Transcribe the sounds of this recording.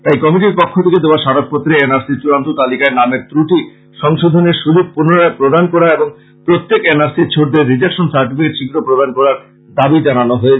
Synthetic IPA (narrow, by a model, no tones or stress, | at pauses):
t̪ajkɔmiʈiɾpokʰːot̪ʰeked̪eoaʃaɾot̪̚pot̪ːɾeenaɾsiɾt͡ɕuɾant̪ut̪alikaeɾnameɾt̪ɾuʈi | ʃɔŋʃod̪ʱoneɾʃud͡ʑuk̚punoɾaepɾod̪ʱankɔɾaeboŋ | pɾot̪ːekenaɾsiɾt͡ɕʰoɖ̚d̪eɾːid͡ʑakʃonsaɾʈifikeʈʃiɡɾopɾod̪ʱankɔɾaɾ | d̪abid͡ʑananoɦoe